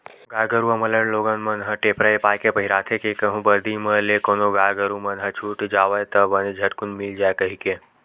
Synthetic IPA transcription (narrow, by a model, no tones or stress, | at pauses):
ɡaːjɡəɾuɐmələnloɡənmənɦəʈeːpɾəepaːjkepəɦiɾaːt̪ʰekekəɦũbəɾd̪iməlekonoɡaːjɡəɾumənɦət͡ʃʰuːʈd͡ʒaːʋəjt̪ɐbənid͡ʒʱɐʈkunmɪld͡ʒaːekɐɦike